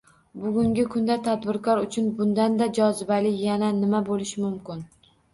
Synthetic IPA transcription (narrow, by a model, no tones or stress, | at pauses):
bʊɡʲʊŋɡʲɪkʰʊnd̪at̪ʰad̪bɪɾkʰɒɾʊt͡ʃʰʊnbʊnd̪and̪ad͡ʒɒzɪbalɪjananɪmabolɪʃɪmʊmkʲɪn